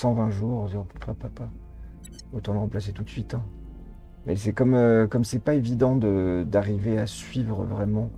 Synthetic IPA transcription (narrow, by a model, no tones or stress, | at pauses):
sɑ̃vɛ̃ʒuʁ̃d̪ĩppapapa | ot̪ɑ̃d̪ləʁɑ̃plas̬et̪ut̪sɥit̪ɛ̃ | mɛs̬ɛkɔmøkɔmsɛpaevid̪ɑ̃d̪əd̪aʁiveasɥivʁəvʁɛmɑ̃